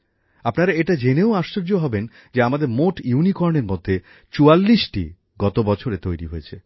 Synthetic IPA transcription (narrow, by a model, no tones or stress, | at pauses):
apnaɾaeʈad͡ʑeneoaʃːoɾd͡ʑoɦɔben | d͡ʑeamad̪eɾmoʈjunikɔɾneɾmod̪ʱːe | t͡ɕualːiʃʈḭ | ɡɔt̪obɔt͡ɕʰoɾet̪ojɾiɦojet͡ɕʰe